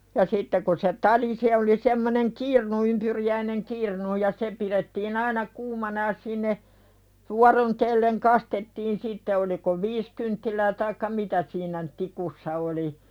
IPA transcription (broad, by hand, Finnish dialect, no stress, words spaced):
jɑ sitːe ku se tɑli se oli semːoneŋ kirnu ympyrijæineŋ kirnu jɑ se piɾetːiːn ɑinɑ kuːmɑnɑ jɑ sinːe ʋuɑron telːeŋ kɑstetːiːn sitːe oliko ʋiːs kyntːilæː tɑikːɑ mitæ siːnæ n tikusːɑ oli